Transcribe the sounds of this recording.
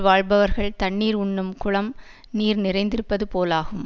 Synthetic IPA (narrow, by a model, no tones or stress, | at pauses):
ʋaːɻbɐʋɐɾɣɐɭt̪ɐɳːiːɾʊɳːɯmkʊɭɐm | niːɾnɪrɐɪnd̪ɪɾɯpːɐðɯpoːlaːɣɯm